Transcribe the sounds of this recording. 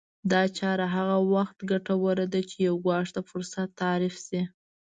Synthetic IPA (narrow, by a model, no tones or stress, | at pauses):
d̪ɑt͡ʃɑɾaɦaɣawaxt̪ɡaʈawəɾad̪at͡ʃejawɡwɑʂt̪afʊɾsat̪ːɑɾɪfsi